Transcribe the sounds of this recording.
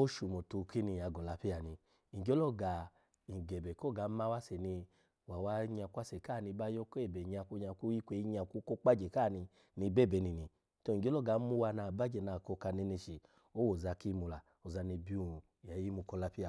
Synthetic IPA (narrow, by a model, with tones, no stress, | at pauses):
o˦ʃu˨mo˨tu˧ki˦ni˧˨ja˨˧˨ɡɔ˨la˧˦pi˦a˨nĩ˧ | i˨d͡ʒɔ˦lɔ˦˨ɡa˨ | i˨ɡɛ˨bɛ˨kɔ˦˨ɡa˨˦ma˦wa˦sɛ˨ni˧ | wa˨wa˧˦ɲa˧˨ku˦a˦sɛ˨ka˦˨ni˧ba˦jɔ˦kɛ˦˨bɛ˨ɲ˧a˧˨ku˧˦ɲa˧˨ku˦ji˦kʷe˧i˧˦ɲa˧˨ku˧˦ko˦k͡pa˦d͡ʒɛ˨ka˦˨ni˧ | ni˧bɛ˦˨bɛ˨˦ni˨ni˧ | tɔ˧i˨d͡ʒɔ˦lɔ˦ɡa˨˦mu˦wa˧na˧˨ba˦d͡ʒɛ˨na˧˨kɔ˧ka˧ne˧ne˧ʃi˨ | o˦wo˨za˧ki˦mu˧la˨ | o˨za˧ni˧bi˦u˧˨ja˨ji˦mu˧kɔ˧la˦pi˦a˨